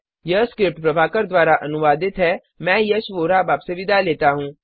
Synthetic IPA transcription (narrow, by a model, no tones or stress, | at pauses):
jəskɾɪp̚ʈpɾɐbʱaːkəɾd̪waːɾaʔɐnʊʋaːd̪ɪt̪ɦɛː | mɛ̃ːjɐsʋoːɾaːbaːbseʋɪd̪aleːt̪aɦũː